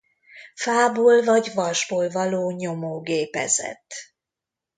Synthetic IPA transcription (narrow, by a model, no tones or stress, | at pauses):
faːboːlvɒɟvɒrʒboːlvɒloːɲo̞moːɡeːpɛ̰zɛ̰t̪ː